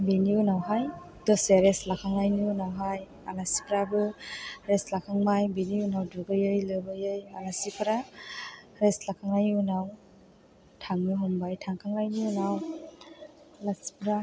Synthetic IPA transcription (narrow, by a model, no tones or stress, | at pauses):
beniunawɦaj | dɔseaɾeslakʰaŋajniunawɦaj | alasi̥pʰɾabɯɾeslakʰaŋmajbeniunawduɡɯjɯjlɯbɯjɯjalasipʰɯɾa | ɾeslakʰaŋajniunaw | tʰaŋnɯɦɔmbajtʰaŋkʰaŋajniunaw | lasi̥pʰɾa